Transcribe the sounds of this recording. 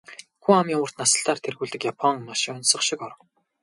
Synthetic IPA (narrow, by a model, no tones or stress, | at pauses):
xuamiːŋʊːr̥t̪nasə̆ɬt̪aːrt̪ʰerɣuːɮt̪ɘ̆kjapʰɔŋnaʃɪʊnsə̆χʃɪkɔɾ̆w